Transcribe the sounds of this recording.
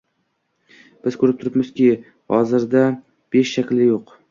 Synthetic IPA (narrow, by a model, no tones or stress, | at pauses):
b̥ɪz̥kʰɵɾɪp̚t̪ʰʊɾɪpmɪzkʲɪ | hɒzɪɾd̪a | b̥e̞ʃːakʲlɪjoq